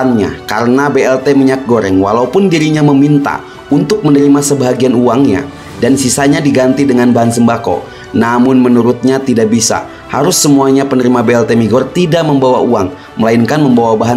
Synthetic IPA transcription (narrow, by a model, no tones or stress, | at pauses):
nɲa̰ka̰ɾənabeɛlt̪eməɲak̚ɡoɾɛŋwa̰laupʊndiɾiɲaməmint̪a̰ | unt̪ʊk̚mənəɾimasəbaɦaɡianuaŋɲa̰ | dansisaɲadiɡant̪idəŋanbaɦansəmbako̰ | namʊnmənuɾʊt̪̚ɲat̪idaʔbisa̰ | haɾʊsːəmuaɲapənəɾimabeɛlt̪emiɡɔrt̪idaʔməmbawa̰uaŋ | məlainkanməmbawabaɦa